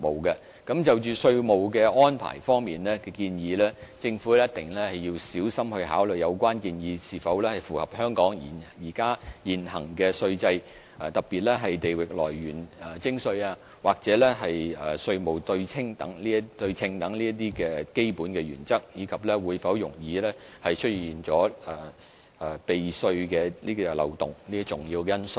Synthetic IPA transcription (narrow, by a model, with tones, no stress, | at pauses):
mo˨˩wkɛ˧ | kɐ˨˥mt͡sɐ˨wt͡ʃyː˨˩sɵ˧ɥmo˨wkɛ˧ɔː˥npʰa̰ː˨˩jfɔː˥ŋmiː˨nlɛː˥kɛː˧kiː˧njiː˧lɛː˥t͡sɪ˧ŋfu˨˥jɐ˥t̚t̪ɪ˨˩ŋlɛ˥hɐ˨jːiː˧wsiː˨˥wsɐ˥mhɵ˧ɥɦa̰ː˨˥wlɵ˨˩jɐ˨˧wkʷwaː˥nkiː˧njiː˨˧siː˨fɐ˨˥wlɛː˥hɐ˨jfuː˨˩hɐ˨p̚hœː˥ŋkɔː˨˥ŋjiː˨˩njiː˨˩kaː˥jiː˨nhɐ̰˨˩ŋkɛː˧sɵ˧ɥt͡sɐ˧j | ɐ˨t̪ɐ˨˩k̚piː˨t̚lɛ˥ɦɐ˨jt̪e˨jwɪ˨k̚lɔ̰ː˨˩jɥyː˨˩nː˨˩t͡sɪ˥ŋsɵ˧ɥaː˧ | waː˨˩k̚t͡sɛː˨˥lɛ˥ɦɐ˨jɛː˨˩sɵ˧ɥmo˨˩wt̪ɵ˧ɥt͡sʰɪ˥ŋt̪ɐ̰˨˥ŋliː˥t̪ɵ˧ɥt͡sʰɪ˧ŋt̪ɐ˨˥ŋliː˥ɐ˥t̪̬iː˥kɛː˧ke˥jpuː˨˥nkɛː˧ɥyː˨˩nt͡sɐ˥k̚jiː˨˧kʰɐ˨p̚lɛː˥wuː˨˧jfɐ˨˥wjʊ˨˩ŋjiː˨˧lɛː˥hɐ˨jt͡ʃʰɵ˥t̚jiː˨nt͡ʃɔː˨˥ɐː˨˩˨ | pe˨jsɵ˧ɥkɛː˧liː˥kɔ˧lɐ̰˨wt̪ʊ̰˨ŋliː˥t͡sʊ˨ŋjiː˧wkɛː˧jɐ˥nsʊ˨˩